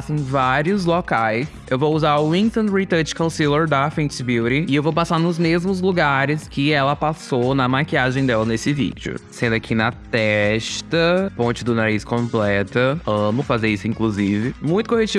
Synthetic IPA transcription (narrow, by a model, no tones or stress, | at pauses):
asẽj̃vaɾiʊzlokajs | ewvowuzaɾʊlĩnt̪õnɾit̪ɐt͡ʃkõsiloɾd̪ɐfẽtsbiwɾiɪewvowpasaɾnʊzmezmʊzluɡaɾɪskɪɛlɐpasonɐmakiaʒẽj̃d̪ɛlɐnesɪvḭd͡ʒɪʊ̰sẽnd̪ʊakʰinɐt̪ɛʃt̪ɐpõnt͡ʃɪd̪ʊnaɾiskõplɛt̪ɐɐ̃mʊfazeɾisʊĩkluzivɪmũj̃t̪ʊkohet͡ʃi